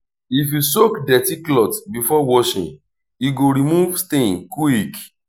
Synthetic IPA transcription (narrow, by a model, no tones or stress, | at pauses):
ifjusokdɛtiklɔtbifɔwɔʃḭ̃n | iɡoɾimuvstẽnkuik